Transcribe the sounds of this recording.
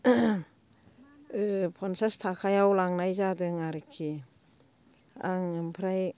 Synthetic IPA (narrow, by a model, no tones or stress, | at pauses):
ɯpʰɔnsastʰakʰajawlaŋnajzadɯŋaɾɯkʰːi | a̰ŋɯmpʰɾaj